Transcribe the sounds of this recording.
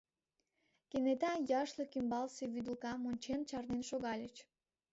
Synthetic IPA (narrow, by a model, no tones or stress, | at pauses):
kenet̪ɑjɑʃləkymbɑlseβyd̪əlkɑmonʲt͡ɕent͡ɕɑrnenʃoɣɑlʲət͡ɕ